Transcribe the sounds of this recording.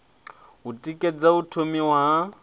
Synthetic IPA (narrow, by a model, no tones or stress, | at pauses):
utʼikʼed͡zautʰomiwa